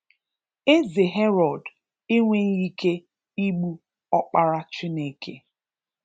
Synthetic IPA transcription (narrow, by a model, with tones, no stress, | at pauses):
e˦ze˨ɦe˦ɾɔ˨d | i˦ŋʷe˦n˦ɣi˦kʰe˦ | i˦ɡ͡bu˦ | ɔ˦k͡pa˦ɾa˦t͡ʃɪ˦ne˨kʰḛ˦